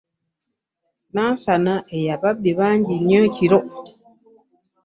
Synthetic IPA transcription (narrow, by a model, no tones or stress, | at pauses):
nansanaejababeβaɲɟiɲə̃t͡ʃiɾɔ